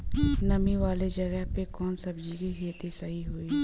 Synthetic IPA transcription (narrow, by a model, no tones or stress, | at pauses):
nɐmiʋaːled͡ʒəɡəɦpekɔːnsɐbd͡ʒikiɦiːt̪isɐɦiɦoiː